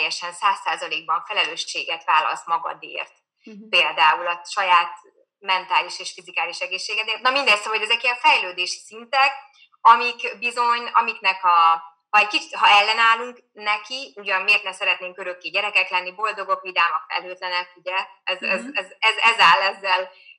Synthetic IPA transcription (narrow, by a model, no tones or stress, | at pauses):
jɛʃɛnsaːsːaːzɒleːɡ̚bɒɱfɛlɛløːʃːeːɡɛt̪ʋaːlɒ̰st̪mɒɡɒ̰d̪ḛːrt̪ | peːld̪aːulɒʃɒjaːt̪ | mɛnt̪aːliʃeːʃfizikaːliʃɛɡeːʃːeːɡɛt̪eːrt̪nɒmind̪ɛst̪ɒɦo̞ɟɛzɛkiɛfɛjløːd̪eːʃi̥sint̪ɛk | ɒmikbizo̞ɲɒ̰miknɛkɒ | hɒɛɟkit͡ʃi̥hɒɛlːɛnaːluŋk | nɛkiuɟɒnmeːrt̪nɛsɛɾɛt̪neːŋkøɾøkːeːɟɛɾɛkɛklɛnːibo̞ld̪o̞ɡo̞kʋid̪aːmɒfɛ̰lːøːt̪lɛnɛkuɟɛɛzɛzɛzɛzɛzaːlːɛzːɛl